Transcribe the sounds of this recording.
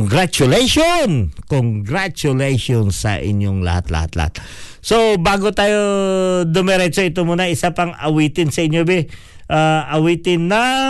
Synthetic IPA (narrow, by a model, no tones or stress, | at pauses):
ŋɡɾat͡ʃʊlɛjʃonkoŋɡɾat͡ʃʊlɛjʃonsɐ̰ʔɪ̰ɲjoŋlɐ̰hat̪lɐ̰ha̰t̪lɐ̰a̰t̪ | sobaːɡot̪aːjod̪ɛmɛɾɛt͡ʃoɪt̪omuːnɐʔɪsapɐŋɐwiːt̪ɪnsɐɪɲjobɪ | ʔaʔɐwiːt̪ɪnːɐ